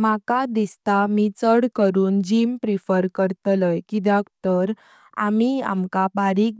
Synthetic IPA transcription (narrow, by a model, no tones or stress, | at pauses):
makad̪ist̪amit͡səɽkəɾuːnd͡ʑimpɾifəɾkəɾt̪ləjkid̪akt̪əɾ | a̰mia̰mkabaɾiːk̚